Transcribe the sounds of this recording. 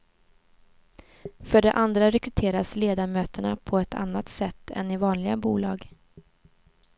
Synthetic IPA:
fœɖɛʔand̪ɾaɾɛkɾɵt̪ʰeːɾasleːd̪aɾmøːt̪əɳa̰pʰɔɛt̪ʰa̰nːat̪sɛt̪ʰːɛ̰nɪvɑːnlɪɡabuːlɑːɡ

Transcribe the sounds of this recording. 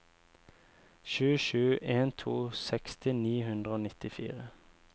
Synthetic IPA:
ʃʉːʃʉːʔeːnt̪ʰuːsɛkst̪ɪniːhʉnd̪ʁəoːnɪt̪ɪfḭːʁə

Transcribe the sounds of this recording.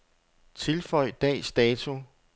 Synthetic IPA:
t͡sʰe̝lfɒɪ̰d̥ɛ̰ːsd̥ɛːt͡sʰu

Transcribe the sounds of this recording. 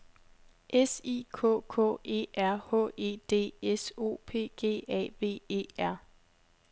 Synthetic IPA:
ʔesiːkʰɔ̰kʰɔ̰ːe̝̰ːʔæɐ̰hɔ̰e̝̰ːd̥e̝̰ːeso̝̰ːpʰe̝̰ːɡ̥e̝̰ːɛ̰ːʋe̝̰ːʋe̝̰ːæɐ̰

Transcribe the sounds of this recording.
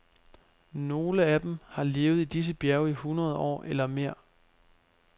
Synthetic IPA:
no̝ːləæd̥em̩hɑ̈le̝ːʊð̞̩ˠid̥is̬əb̥jæɐʊihunʁɐð̞ˠɒ̰ːʔelɐme̝ɐ̰

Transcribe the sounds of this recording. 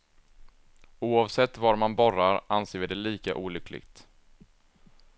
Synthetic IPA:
uːɑvsɛt̪ːvaɾmanbɔɾaɾʔanseːɾvɪd̪ɛliːka̰ʔuːlʏkʰːlɪ̰ɡt̪

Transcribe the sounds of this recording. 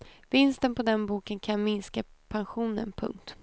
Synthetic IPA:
vɪnst̪ənpʰɔd̪ɛnbuːkənkʰanmɪnskapʰanɧuːnə̰npʰɵ̰ŋkt̪

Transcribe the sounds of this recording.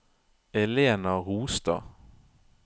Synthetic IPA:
ɛleːnɑʁuːst̪ɑ̰

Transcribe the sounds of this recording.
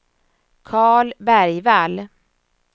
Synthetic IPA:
kʰɑːɭbæɾjval

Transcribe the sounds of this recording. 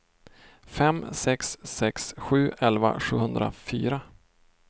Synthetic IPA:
fɛmsɛksːɛksɧʉ̟ːʔɛlva̰ɧʉ̟ːhɵnd̪ɾa̰fyːɾa

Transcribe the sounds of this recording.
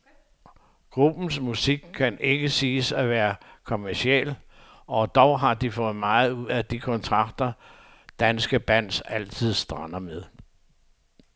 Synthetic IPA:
ɡ̥ʁub̥n̩smusiɡ̥̚kʰːæne̝ɡ̥əsiːsæʋæːɐkʰo̝mæɐsiel̰ | ɒ̽d̥ɒʊɦɑ̈d̥ifɔ̽ːð̩ˠmɑ̈ːð̩ˠuð̰ˠæd̥ikʰɔ̽nt͡sʰʁɑ̈ɡ̥̚d̥ɐ | d̥ænsɡ̥əb̥æn̰sæl̰t͡sʰið̞̰ˠsd̥ʁɑ̈nɐmeðˠ

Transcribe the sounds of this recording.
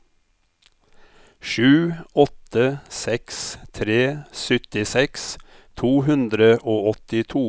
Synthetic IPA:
ʃʉːɔt̪əsɛkst̪ʰɾeːsʏt̪ɪsɛks | t̪ʰuːhʉnd̪ɾəʔoːɔt̪ɪt̪ʰuː

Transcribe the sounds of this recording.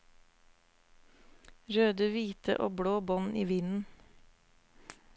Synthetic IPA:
ɾøːd̪əʋiːt̪ʰə̰ʔoːbɽoːbɔniːʋɪnn̩

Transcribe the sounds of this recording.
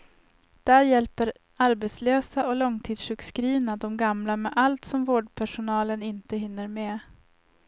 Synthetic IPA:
d̪̥æɾjɛlpəɾ | aɾbɛt̪sløːsaʔɔlɔŋt̪ʰiːd̪ʂʉ̟ːkskɾiːvnad̪ɔmɡamlamɛʔalt̪sɔmvoːɖpʰæʂʊnɑːlənɪnt̪əɦɪnːəɾmɛ

